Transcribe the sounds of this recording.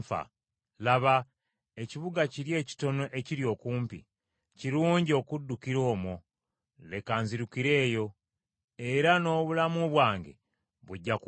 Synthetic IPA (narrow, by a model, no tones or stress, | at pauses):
fa̰ | laβa | e̞ciβuɡaciɾje̞ːci̥to̞no̞ʔe̞ciɾjo̞ːkuːmpḭ | ciɾuːɲɟio̞kudːukiɾo̞ːmo | le̞kaːnziɾukiɾe̞ːjo̞ | e̞ɾano̞ːβulamuoβwaːŋɡḛ | βuɟːak